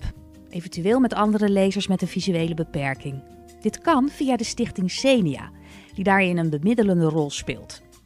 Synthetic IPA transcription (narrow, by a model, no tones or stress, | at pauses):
ʔejvəntyʋɪːlˠmɛtɑndərəlejzəɹsmɛtənvizyejləbəpɛɹkɪŋ | d̥ɪtkɑnv̥ijadəstɪχtɪŋsejnia̰ː | d̥idaːɹɪnənbəmɪdələndərɔlˠspɪ̰ːlˠt